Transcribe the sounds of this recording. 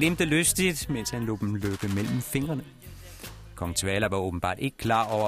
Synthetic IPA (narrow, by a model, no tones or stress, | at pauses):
lemd̥əløsd̥id̥men̰shænlo̝̰ːd̥emløːb̥əmel̰m̩fe̝ŋ̰ɐnə | kʰɒ̽ŋt͡sʰʋɛːlɐʋɑ̈ɔːb̥n̩b̥ɑ̰̈ːd̥e̝ɡ̥ə̥kʰlɑ̈ːɒʊ̰ɐ